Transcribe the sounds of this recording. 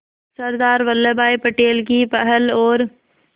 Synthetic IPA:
səɾd̪aːɾʋəlːebaːipəʈeːlkipɛɦəlɔːɾ

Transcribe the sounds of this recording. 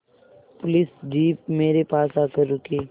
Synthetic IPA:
pʊlɪsd͡ʒiːp̚meːɾepaːsaːkəɾukeː

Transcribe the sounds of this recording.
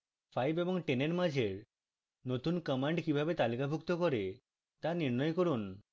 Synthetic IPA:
fʰajbeboŋʈeneɾmad͡ʑʱeɾ | not̪unkəmaɳɖkibʱabet̪alikabʱukt̪okoɾe | t̪aɾniɾnɔjekoɾun

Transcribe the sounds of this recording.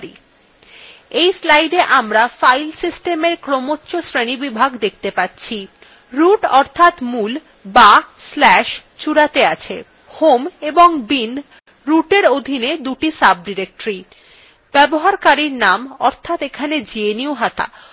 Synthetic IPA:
ɾḭ | ejslajɖeʔamɾafajlsisʈemeɾkɾomotːɕosɾenibibʱaɡd̪ek̚ʰt̪epatːɕʰi | ɾuʈɔɾt̪ʰat̪mul | baslɛʃt͡ɕuɽat̪eat͡ɕʰe | homeboŋbin | ɾuʈeɾod̪ʱined̪uʈisab̚ɖiɾek̚ʈɾi | b̥ɛboɦaɾkaɾiɾnamɔ̰ɾt̪ʰat̪ekʰaned͡ʑieniuɦat̪a̰

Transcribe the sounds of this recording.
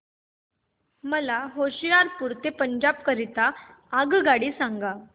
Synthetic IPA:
məlaɦoɕijaɾpuɾt̪epəɲd͡ʑabkəɾit̪aː | ɡɡaɽiːsaŋɡa

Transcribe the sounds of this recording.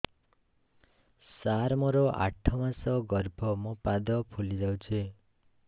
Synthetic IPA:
saɾmɔɾɔʔa̰ʈʰɔmasɔɡɔɾbʱɔmɔpad̪ɔpʰolid͡ʒawt͡ʃʰe

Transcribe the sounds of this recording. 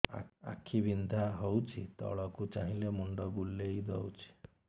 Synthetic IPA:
a̰kʰibind̪ʱaɦɔwt͡ʃʰit̪ɔ̰ɭɔkut͡ʃaɦĩlemuɳɖɔbulːejd̪ɔwt͡ʃʰi̥

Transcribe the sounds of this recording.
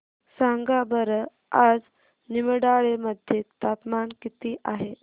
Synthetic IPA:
saŋɡabəɾə | ad͡z | niməɽaɭeməd̪ʱjet̪apmankit̪iːʔaɦe

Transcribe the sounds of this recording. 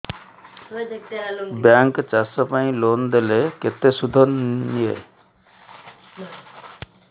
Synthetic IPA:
bjaŋkt͡ʃasɔpaĩlond̪eleket̪esud̪ʱɔnnie

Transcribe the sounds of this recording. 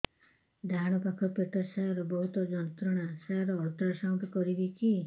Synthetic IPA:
d̪ʱaɽ̃ɔpakʰɔpeʈɔsajɔɾɔbɔɦut̪ɔd͡ʒɔnt̪ɾɔɽ̃asajɔɾɔːɾt̪ɾɔsawʈ̪ɔkɔɾibit͡ʃʰi

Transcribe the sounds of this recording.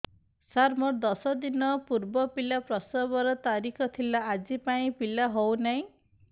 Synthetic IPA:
saɾmɔɾd̪ɔsɔd̪inɔpuɾbɔpilapɾɔsɔbɔɾɔt̪aɾikʰɔt̪ʰilaad͡ʒipaĩpilaɦownaĩ

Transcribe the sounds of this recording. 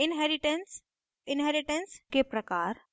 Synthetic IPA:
inɦɛɾiʈəns | inɦɛɾiʈənskepɾəkaɾ

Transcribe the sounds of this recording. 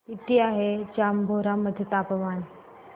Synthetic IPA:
it̪iaɦed͡ʑambʱoɾaməd̪ʱːjet̪apʋan

